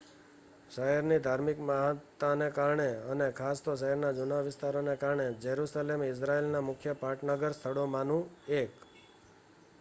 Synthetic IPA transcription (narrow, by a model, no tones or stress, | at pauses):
ʃəɦɛɾnid̪ʱaɾmɪkmaɦt̪ːanekaɾɳeənekʰast̪oʃəɦɛɾnad͡ʒunaʋɪst̪aɾonekaɾɳed͡ʒəɾusalemɪs̬ɾaelnamʊkʰjəpaʈnəɡəɾst̪ʰəɽomanũek